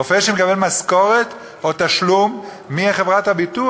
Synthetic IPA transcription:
ofeʃemekabelmaskoʁet̪ | ʔot̪aʃlumː | iaχevʁathabitu

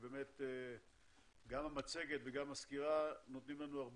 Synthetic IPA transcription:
be̞ːmet̪e | ɡamamat͡se̞ɡe̞t̪veɡamaskiʁanot̪nimlanuaʁb

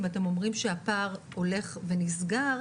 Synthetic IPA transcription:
mate̞mo̞mʁimʃeapaʁ | o̞le̞χve̞nisɡa

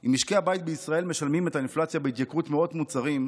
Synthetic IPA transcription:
ʔimiʃkeabajt̚beisʁae̞lme̞ʃalmime̞tainflat͡sjabeit̪jakʁutmeo̞dmut͡saʁim

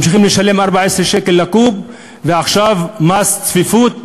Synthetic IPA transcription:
mʃ̬iχimleʃale̞mʔaʁbaʕesʁeʃeke̞lːakub | veaχʃavmast͡sfifut̪̚

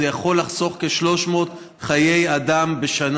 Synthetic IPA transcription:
ejaχo̞lːaχso̞χkeʃlo̞ʃmo̞ːt | χaje̞jad̪ambe̞ʃan

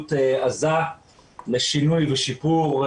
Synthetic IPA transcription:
t̪eaza | leʃinujveʃipuʁ

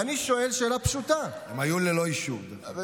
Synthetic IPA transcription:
aniʃo̞e̞lʃelapʃut̪aamajuleloiʃud̪

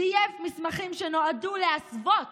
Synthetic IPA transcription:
ijefmismaχimʃeno̞aduleasvot

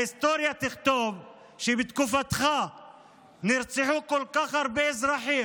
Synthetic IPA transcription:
ɪst̪oːɾjat̪ɪxt̪oːb | ʃibɪt̪kufat̪xa | nɪɾt͡sˤɪħukʊlːqɑxɑɾˤbɪʔɪzɾˤɑħiː

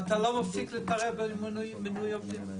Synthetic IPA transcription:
at̪alomafiklet̪aʁebemnumenujavi

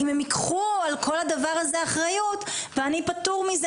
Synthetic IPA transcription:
imemikχualkʰo̞lad̪avaʁazeaχʁajutveanipatuʁmiz

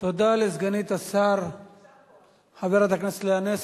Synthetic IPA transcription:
t̪od̪aːles̬ɡɐniːt̪ɐsaːɾ | hɐbeɾad̪ɐknislaːnes

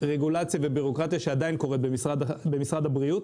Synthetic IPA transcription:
ʁeɡulat͡sjavebiʁo̞kʁat̪ijaʃead̪ainko̞ʁetbemsʁadabe̞misʁad̪abʁiut̪

